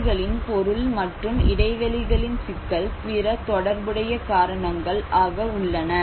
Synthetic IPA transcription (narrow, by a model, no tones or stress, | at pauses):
ɣɐɭɪnpɔɾɯɭmɐʈrɯmɪɽɐɪʋɐɭɪɣɐɭɪnsɪkːɐɭpɪɾɐt̪ɔɽɐɾbɪɽɐjɐkaːɾɐɳɐŋɡɐɭʔaːɣɐʊɭːɐnɐ